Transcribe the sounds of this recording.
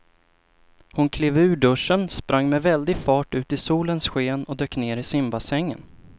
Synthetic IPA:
hʊnkʰleːvʉ̟ːɖɵʂənspɾʔaŋːmɛvɛld̪ɪɡfɑːʈʉ̟ːt̪ɪsuːlənsɧeːnɔd̪øːkneːɾɪsɪmbasɛŋːə̰n

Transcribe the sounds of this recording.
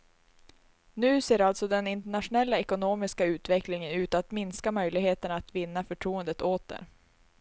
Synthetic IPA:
nʉ̟ːseːɾalt̪sɔd̪ɛnɪnt̪ɛɳatʂʊnɛlːaɛkʊnoːmɪskaʉ̟ːt̪vɛklɪŋənʉ̟ːt̪at̪mɪnskamœjlɪɡheːt̪əɳaːt̪vɪnːafœʈʰɾuːənd̪ət̪oːt̪̚d̪ɛ̰ɾ

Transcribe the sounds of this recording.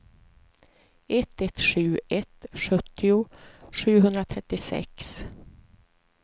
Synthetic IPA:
ɛt̪ːɛt̪ʂʉ̟ːʔɛt̪ʂɵt̪ʰːɪʊʂʉ̟ːɦɵnd̪ɾat̪ʰɾɛt̪ːɪsɛ̰ks

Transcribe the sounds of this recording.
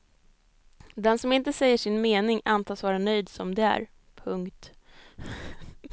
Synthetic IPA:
d̪ɛnsɔmɪnt̪əsɛjːəʂɪnmeːnɪŋant̪ʰɑːsvɑːɾanœjd̪sɔmd̪ɛæ̰ɾ | pʰɵŋkt̪

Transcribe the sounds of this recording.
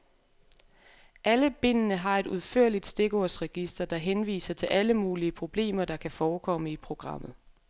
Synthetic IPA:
ʔæləb̥e̝n̰ənəɦɑ̈e̝d̥uðˠfø̰ɐ̰lid̥sd̥e̝ɡ̥ɒːsʁɛɡ̥isd̥ɐd̥ɑ̈ɦenʋḭːsɐt͡sʰe̝lʔæləmuːliəpʰʁo̝b̥le̝̰ːmɐd̥ɑ̈kʰæfɒːkʰɒ̽məipʰʁo̝ɡ̥ʁɑ̈m̰ð̞̩ˠ

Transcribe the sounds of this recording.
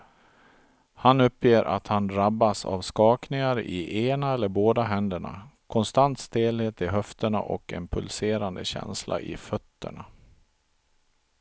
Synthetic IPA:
hanɵpːjeːɾʔa̰t̪hand̪ɾabːasa̰vskɑːknɪŋaɾɪ̰ʔeːnaɛlːəɾboːd̪aɦɛnd̪əɳa̰kʰɔnst̪ant̪st̪eːlheːt̪ɪɦœft̪əɳa̰ʔɔ̰kɛmpʰɵlseːɾand̪əɕɛ̰nslʔa̰ʔɪfœt̪ːə̰ɳa

